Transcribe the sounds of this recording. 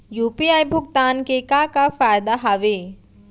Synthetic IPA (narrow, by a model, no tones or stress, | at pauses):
jupiajbʱʊɡ̚t̪aːnkekakafajd̪aɦaʋe